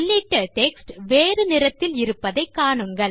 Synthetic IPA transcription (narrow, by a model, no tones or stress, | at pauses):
ɭːiʈːɐʈɛksʈʋeːrɯnɪrɐt̪ːɪlɪɾɯpːɐðɐɪkːaːɳɯŋɡɐɭ